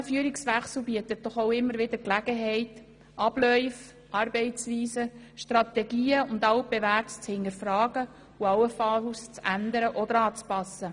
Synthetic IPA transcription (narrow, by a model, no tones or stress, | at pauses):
fyəɾiksʋæχsl̩biət̪ət̚d̥ɔχoʊɪmːəɾʋɪd̪əɾklæɡ̥əɦɛɪt | ʔɑb̥lœʏf | ɑrb̥ɛɪt͡sʋiːsəʃtrɑt̪ɛɡiːəʊnd̪ɑwb̥eʋæːrtst͡shɪnəɾfɾɑːɡ̥ə | uɑwəfɑst͡sænd̪əɾəʔɔd̪əɾɑːt͡spɑsːə